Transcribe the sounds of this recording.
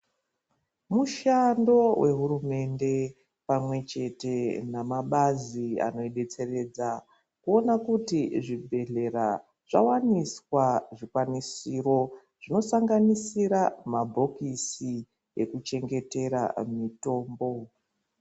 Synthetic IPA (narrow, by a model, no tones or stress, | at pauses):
muʃando̞wʔe̞ɦuɾume̞nde̞ | pamwe̞t͡ʃe̞te̞namaɓazia̰no̞iɗe̞t͡se̞re̞d͡za | kuo̞nakutiʐibʱe̞ɮe̞ɾa | ʐ̥a̰waniswaʐikwanisiro̞ | ʐ̥ino̞saŋɡanisiɾamabʱo̞kisi | e̞kut͡ʃe̞ŋɡe̞te̞ɾa̰mito̞ːmbo̞